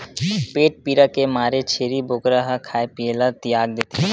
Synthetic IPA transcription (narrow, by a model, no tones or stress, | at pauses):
peːʈ̚piːɾakemaːɾet͡ʃʰeːɾibokɾəɦakʰaːepielat̪ɪjaːɡ̚d̪eːt̪eɦ